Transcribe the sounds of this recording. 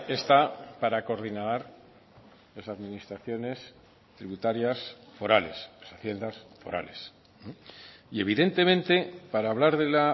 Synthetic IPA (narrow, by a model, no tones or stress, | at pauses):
e̞st̪apaɾako̞ɾðinaðaɾ | lasaðmĩnist̪ɾaθjo̞ne̞s | t̪ɾiβut̪aɾjasfo̞ɾale̞slesaθje̞nd̪asfo̞ɾa̰le̞s | ie̞βiðe̞nt̪e̞mẽ̞nt̪e̞paɾaːβlaɾðe̞la